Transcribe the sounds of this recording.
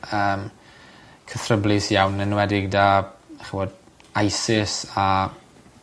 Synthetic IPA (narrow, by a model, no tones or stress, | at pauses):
əːm | kʰəθrəblˠɪsjawnənwɛdɪɡdaχiwoːd | ajsɪsa